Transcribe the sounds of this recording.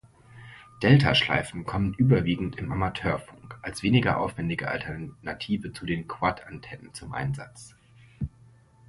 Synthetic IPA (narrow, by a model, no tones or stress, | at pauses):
d̥ɛltʰa̰ʃla̰ɪfn̩kʰɔmənʔyːbɐviːɡŋ̩tɪmamatʰøːɐfʊŋkʔalsv̥eːnɪɡɐ̰ʔa̰ʊfv̥ɛndɪɡəʔa̰ltʰɛɐnatʰiːvət͡sudeːnkʰv̥atʰantʰɛnənt͡sʊmʔa̰ɪnza̰t͡s